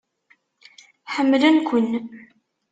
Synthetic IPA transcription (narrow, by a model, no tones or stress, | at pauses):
ħəmːlənkʷʊnː